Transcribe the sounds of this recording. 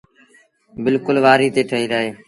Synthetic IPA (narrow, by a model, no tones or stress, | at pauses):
bɪlkʊlʋaːɾiːt̪eːʈʰəɦiːɾaːɦeː